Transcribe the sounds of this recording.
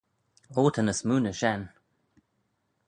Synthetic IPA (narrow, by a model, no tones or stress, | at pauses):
oːt̪ʰənəsmuːnəʃɛn